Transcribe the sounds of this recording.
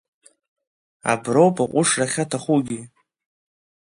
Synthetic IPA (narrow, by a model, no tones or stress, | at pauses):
a̰browpʰʼaqʷʼʊʂraχʲatʰaχuɡʲi